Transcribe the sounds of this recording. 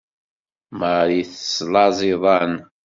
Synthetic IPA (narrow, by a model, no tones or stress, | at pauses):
məɾjiθə̥slɑzˤiðˤɑn